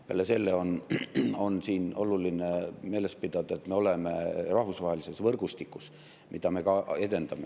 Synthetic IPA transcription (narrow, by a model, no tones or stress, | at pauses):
pḛlːese̞lːeo̞n | o̞nsiːnʔo̞luline̞me̞ːle̞spid̪̥ɑd̪̥ɑe̞t̪me̞o̞leme̞rɑhvusvɑɦelise̞svɤrɡ̥ust̪ikːˑus | mʔid̪̥ɑme̞kɑe̞d̪e̞nd̪ɑme̞